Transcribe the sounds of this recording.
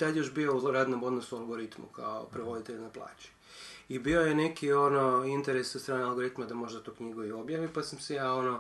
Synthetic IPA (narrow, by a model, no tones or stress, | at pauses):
t̪ad̪joʃbiouɾaːd̪nomo̞d̪nosualˠɡo̞ɾit̪mṵkʰa̰o̰pɾeʋo̞d̪it̪eʎnaplˠa̰ːt͡ɕi̥ | ibio̞jene̞kʰio̞noint̪eɾesot̪t̪ɾaːnealˠɡo̞ɾit̪mad̪amo̞ʒd̪at̪oːkɲiɡoio̞bjaːʋipasamsejao̞no